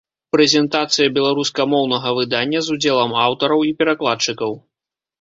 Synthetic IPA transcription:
pɾɛzʲɛnt̪at̪sɨjɐbʲɛlˠaɾuskɐmɔwnɐɣɐvɨd̪anʲːɐzud͡zʲɛlˠɐmawt̪ɐɾɐwipʲɛɾaklˠatt͡ʂɨkɐw

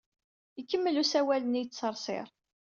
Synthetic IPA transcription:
ikːəmːəlusæwælənijt͡sːt͡sːəɾˤsˤɪ̰ɾˤ

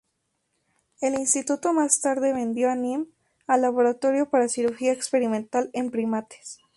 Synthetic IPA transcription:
e̞linst̪it̪ut̪o̞mast̪aɾðe̞βẽ̞nd̪jo̞anĩm | alːaβo̞ɾat̪o̞ɾjo̞paɾasiɾuɾxiaekspe̞ɾimẽnt̪ale̞mpɾimat̪e̥s

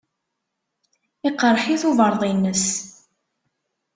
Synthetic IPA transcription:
ɪqɾˤħiθuvəɾˤðˤinːəs

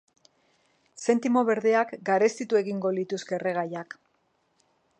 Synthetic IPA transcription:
se̞nt̪imo̞βe̞ɾðe̞akɡaɾe̞st̪it̪ue̞ɣiŋɡo̞lit̪uske̞re̞ɣ̞ajak

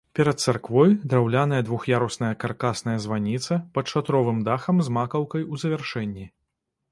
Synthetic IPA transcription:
pʲɛɾɐt̪̚t̪sarkvɔjd̪ɾawlʲan̪ɐjɐd̪vuxjaɾusnɐjɐkarkasnɐjɐzvanʲit̪sɐpɐt̪t͡ʂat̪ɾɔvɨmd̪axɐmzmakɐwkɐjuzɐvʲɛrʂɛnʲːi

